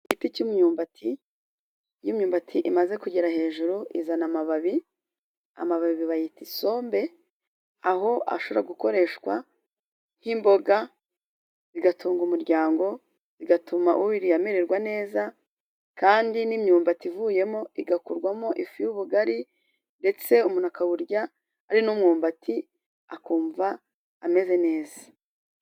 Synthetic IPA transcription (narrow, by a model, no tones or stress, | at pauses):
iɡiticumuɲuːmbatʰi | jimɲuːmbatʰiʔimaze̞kuɟeɾaɦe̞ːʒuɾuʔizanamaβaβi | a̰maβaβiβiβajitiso̞ːmbe̞ | aɦo̞ʔa̰ʃoβɾaɡuko̞ɾe̞ʃkwa̰ | himbo̞ɡa | ziɡatʰuːŋɡumuɾɟaːŋɡo̞ | z̥iɡatʰumaʔuβiɾijame̞ɾe̞ɾɡwane̞ːza | kaːndinimɲuːmbativuje̞mo̞iɡakuɾɡwamoʔifijuβuɡaɾi | nde̞t͡se̞umunakawuɾɟaː | ɾinumŋuːmbatʰi | akuːɱvaː | me̞ze̞ne̞ːzḁ